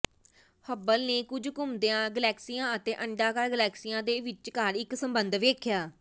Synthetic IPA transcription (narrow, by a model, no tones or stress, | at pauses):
həbəlneːkʊd͡ʒkʊmd̪ejãːɡəlɛːksijãːət̪eːʔəɳɖaːkəɾɡəlɛːksijãːd̪eːʋɪt͡ʃkəɾɪksəmbənd̪ʋeːkʰjaː